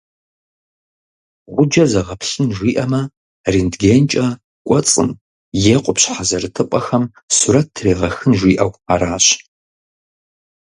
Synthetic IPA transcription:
ʁʷʊd͡ʒɐzɐʁɐpɬɨnʒʷiːʔɐmɐ | riːndɡent͡ʃʼɐ | kʷʼɔt͡sʼɨ̰n | jeqʷʼʊpɕħazɐrɨtʰɨpʷʼɐxɐm | suɾɐtʰːreːʁɐxɨnʒʷiːʔɐwaɾaːɕ

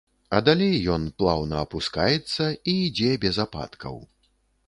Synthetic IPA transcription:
ɐd̪alʲejːɔnplˠawnɐɐpuskajɛt̪sːɐiːd͡zʲɛbʲɛzapa̰t̪kʰɐ̰w

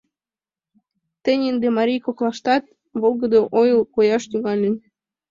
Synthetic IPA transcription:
t̪ə̆nʲind̪emɑɾʲijkoklˠɑʃt̪ɑt̪̚ | βolˠɣə̆d̪oʔojlkojɑʃt̪yɣɑlʲen

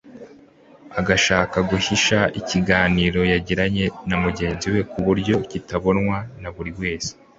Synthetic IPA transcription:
aɡaʃaːkaɡuhiʃaiciɡaːniːɾo̞jaɟiɾaɲe̞namuɟe̞ːnziwe̞kuβuɾɟo̞citaβo̞nŋwanaβuɾibwe̞ːse̥

